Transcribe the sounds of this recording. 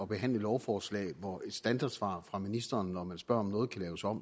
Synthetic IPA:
ɒ̽b̥e̝ɦæn̰ləelɒʊfɒːslɛ̰ɪʋɒe̝d̥sd̥ænd̥ɑ̈d̥sʋɑ̰̈ːfʁɑ̈minisd̥ɐːnːɒmænsb̥ɶɐ̰ɒ̽mnɔːð̞̩ˠkʰælɛːʊsɒ̽m̰

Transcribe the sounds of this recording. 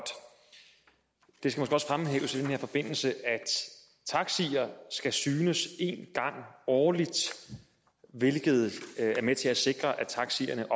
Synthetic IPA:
d̥ | d̥esɡ̥æmo̽sɡ̥eɒsfʁamɦḛʊsid̥enhe̝ɐ̰fɒ̽b̥e̝n̰l̩səʔæd̥ | t͡sʰɑ̈ɡ̥siɐsɡ̥æsyːnəse̝̰nɡ̥ɑ̈ŋ̰ɒːlid̥ | ʋe̝lɡ̥ð̞̩ˠæɐmet͡sʰe̝æse̝ɡ̥ʁɐʔæt͡sʰɑ̈ɡ̥sḭɐnəʔɒ

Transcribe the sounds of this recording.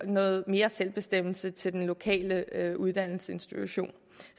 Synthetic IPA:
nɔ̽ːð̞̩ˠme̝ːɐselb̥e̝sd̥em̰l̩sət͡sʰe̝ld̥enlo̝kʰɛ̰ːləuð̞ˠd̥æn̰l̩səe̝nsd̥it͡sʰuɕo̝̰ːn

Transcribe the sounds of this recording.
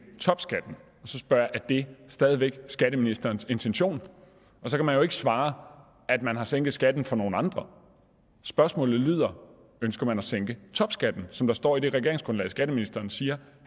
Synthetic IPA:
t͡sʰɒ̽b̥sɡ̥æd̥n̩ | ɒ̽sɒ̽sb̥ɶɐ̰jɑ̈ʔæd̥e̝sd̥ɛːð̞ˠiʋeɡ̥sɡ̥æɾəminisd̥ɐːnse̝nt͡sʰenɕo̝̰ːn | ɒ̽sɒ̽kʰæmænjoe̝ɡ̥əsʋɑ̈ː | ʔæd̥mænɦɑ̈seŋ̰ɡ̥ð̩ˠsɡ̥æd̥n̩fɒ̽no̝ːn̩ɑ̈nd̥ʁɐ | sb̥ɶɐsmɔ̰ːlð̩ˠlyð̰ˠɐ | ønsɡ̥ɐmænɒseŋ̰ɡ̥ət͡sʰɒ̽b̥sɡ̥æd̥n̩sɒ̽md̥ɑsd̥ɒ̰ːid̥e̝ʁɛɡ̥e̝ɐ̰eŋsɡ̥ʁɔ̽nlɛ̰ːɪsɡ̥æɾ̥əminisd̥ɐːnsiːɐ

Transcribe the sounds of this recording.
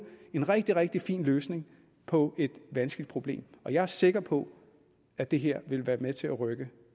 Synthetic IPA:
e̝nʁɛɡ̥̚d̥iʁɛɡ̥̚d̥ifḭːnløːsne̝ŋ | pʰɒ̽e̝d̥ʋænsɡ̥lid̥̚pʰʁo̝b̥le̝̰ːmɒ̽jɑ̈æɐse̝ɡ̥ɐpʰɒ̽ | æd̥e̝ɦe̝ɐ̰ʋe̝lʋæːɐmet͡sʰe̝læʁœɡ̥ə

